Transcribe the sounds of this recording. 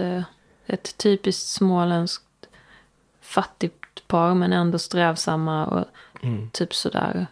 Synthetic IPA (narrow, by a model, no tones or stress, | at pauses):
ɛt̪ʰːyːpɪskt̪smoːlɛnsk̚t̪ | fat̪ːɪɡt̪pʰɑːɾmɛnɛnd̪ɔst̪ɾɛːvsamːaɔ̰t̪ʰyːpsɔd̪æ̰ːɾ